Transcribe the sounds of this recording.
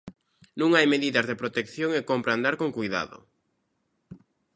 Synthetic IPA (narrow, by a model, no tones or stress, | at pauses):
nũŋajmeðiðɐzðepɾot̪ekθjoŋekompɾand̪aɾkoŋkujða̰ðʊ̰